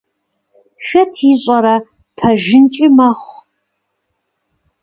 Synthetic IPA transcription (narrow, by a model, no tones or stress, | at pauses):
xɐtʰiɕʼɐɾɐ | pʰɐʒɪnt͡ʃʼimɐχʷ